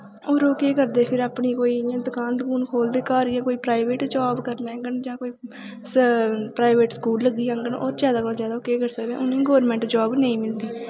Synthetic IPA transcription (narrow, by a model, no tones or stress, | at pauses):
oːɾoːkeːkəɾd̪eːpʰɪɾaːpɳiːkoːijãːd̪ʊkãːnd̪kuːnkʰoːld̪eːkaːɾɪjãːkoːiːpɾaːɪʋeːʈd͡ʒaːbkəɾneːŋɡəɳd͡ʒãːkoːiː | spɾaːɪʋeːʈskuːlːəɡːiːãːŋɡənoːɾd͡ʒjaːd̪aːkoːlzjaːd̪aːoːkeːkəɾsəkd̪ḛ̃ːʊñːĩːɡoːɾmɛ̃ːɳʈd͡ʒɔːbnẽĩːmɪld̪eː